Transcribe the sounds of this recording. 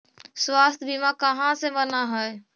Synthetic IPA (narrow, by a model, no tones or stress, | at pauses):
swaːst̪ʰbimakəɦãsemənaɦəe